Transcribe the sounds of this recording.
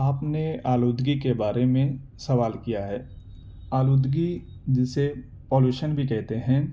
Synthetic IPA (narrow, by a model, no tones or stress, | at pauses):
aːpneaːluːd̪ʱɡikebaːɾemẽ | sɐʋaːlkijaɦɛː | aːluːd̪ʱɡi | d͡ʒɪse | poːljuːʃənbʱikɛɦt̪eɦɛ̃